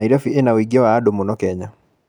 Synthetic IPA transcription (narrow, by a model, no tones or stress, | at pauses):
iɾafiʔenawiɡiɔwaːdomonɔkɛɲa